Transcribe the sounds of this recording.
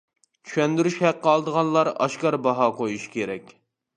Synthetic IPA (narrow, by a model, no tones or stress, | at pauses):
t͡ʃʰy̥ʃɛnd̪yɾyʃhæqːəɑlˠd̪əʁɑnlˠɑɾɑ̰ʃkɑɾbɑɦɑqʰojuʃkʲʰeɾɛkʲ